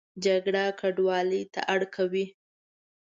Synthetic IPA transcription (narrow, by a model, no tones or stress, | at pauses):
d͡ʒaɡɽakaɖwɑləjt̪a̰ʔaɽkʰawi